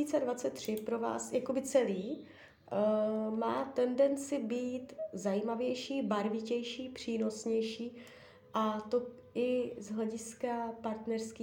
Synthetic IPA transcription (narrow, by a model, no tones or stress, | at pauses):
iːt͡sɛdvat͡sɛt̪ːr̝̥ɪpɾo̞va̰ːsjakobɪt͡sɛliː | maːt̪ɛndɛnt͡sɪbiːt̪zajiːmavjɛjʃiːbaɾvɪcɛjʃiːpr̝̥iːno̞sɲɛjʃiː | ʔat̪o̞ | ɪzɦlɛɟɪskapaɾt̪nɛɾskiː